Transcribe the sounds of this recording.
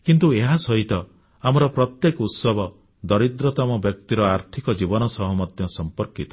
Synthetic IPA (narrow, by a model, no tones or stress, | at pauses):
kint̪ueɦasɔɦit̪ɔ | amɔɾɔpɾɔt̪jekɔut̪sɔbʱɔ | d̪ɔɾid̪ɾɔt̪ɔmɔbjɔk̚t̪iɾɔaɾt̪ʰikɔd͡ʒibɔnɔsɔɦɔmɔd̪ʱjɔsɔmpɔɾkit̪ɔ̥